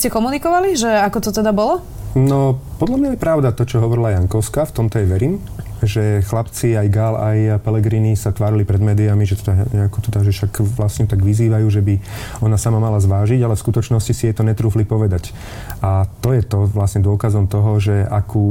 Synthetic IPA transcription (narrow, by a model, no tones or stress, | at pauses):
scɛkɔmunikɔʋaliʒɛakɔt̪ɔt̪ɛd̪abɔlɔ | nɔpɔd̪lamɲajɛpɾaʊd̪at̪ɔt͡ʃɔɦɔʋɔɾilajaŋkɔʊskaft̪ɔmt̪ɔjɛʋɛɾiːm | ʒɛxlapt͡siajɡalajpɛlɛɡɾiːnisat̪ʋaːɾilipɾɛd̪mɛːd̪iamiʒɛt̪ɔd̪aɲɛakɔt̪ɔd̪aʒɛʃakʋlasɲɛt̪aɡʋiziːʋajuːʒɛbiɔnasamamalazʋaːʒiɟalɛfskut̪ɔt͡ʃnɔscisijɛt̪ɔɲɛt̪ɾuːflipɔʋɛd̪ac | at̪ɔjɛt̪ɔʋlasɲɛd̪ʊɔkazɔmt̪ɔɦɔʒɛakʰuː